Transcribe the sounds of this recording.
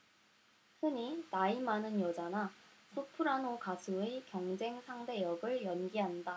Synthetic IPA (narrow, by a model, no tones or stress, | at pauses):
sʰɯɲinaimanɯnjʌd͡ʑanasʰopʰɯɾanokasʰuekjʌŋd͡ʑe̞ŋsʰaŋde̞jʌɡɯɭjʌnɡiɦanda